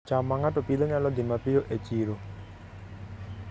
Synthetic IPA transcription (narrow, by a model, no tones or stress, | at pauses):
t͡ʃamaŋatopid̪aɲalɔd̪ɪmapɪjoʔet͡ʃiɾo